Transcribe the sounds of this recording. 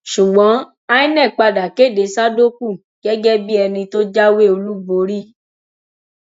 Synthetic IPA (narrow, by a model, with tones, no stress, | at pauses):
ʃu˨ɡ͡bɔ̃˨˦ | a˦i˦nɛ̃˦˨k͡pa˧da˨ke˦˨de˨˦sa˦do˦k̚u˦˨ | ɡ̥ɛ˦ɡɛ˦bi˦ɛ˧nĩ˧to˦d͡ʒa˦we˦o˧lu˦bo˧˦ɾi˦